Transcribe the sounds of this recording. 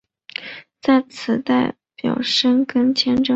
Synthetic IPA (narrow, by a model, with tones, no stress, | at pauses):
t͡sa˥˩ɪt͡sʰɹ̩˨˩t̪a˥˩ɪ | pjɑ̰˨˩ʊʂə˥nkə˥nt͡ɕʰjɛ˥nʈ͡ʂɤ˥˩